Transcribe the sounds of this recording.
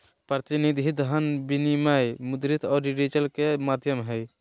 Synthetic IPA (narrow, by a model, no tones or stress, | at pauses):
pɾət̪inid̪ʱid̪ɦənbinimajmud̪ɾit̪ʰɔːɾːiɾed͡ʒəlkemad̪ʱjəmɦɛj